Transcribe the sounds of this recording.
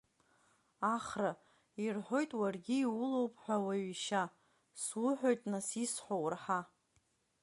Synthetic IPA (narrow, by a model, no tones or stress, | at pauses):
aχra | irħʷo̞jtʼwarɡʲɪːwʊlo̞wpʼħᶣʷawaɥiʃa | swʊħʷᶣo̞jtʼnasisħʷowrħa